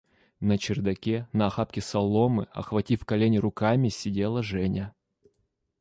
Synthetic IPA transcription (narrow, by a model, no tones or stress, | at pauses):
nət͡ɕɪrd̪ɐkʲenɐːxapkʲɪsɐlˠomɨ̰ɐ̰xvɐtʲifkɐlʲenʲɪɾʊkamʲɪsʲɪdʲelˠəʐɛnʲə